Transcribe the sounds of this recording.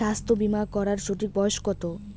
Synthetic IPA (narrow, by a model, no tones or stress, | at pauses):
ast̪ʰobimakɔɾaɾʃoʈ̪ik̚bɔoʃkɔt̪o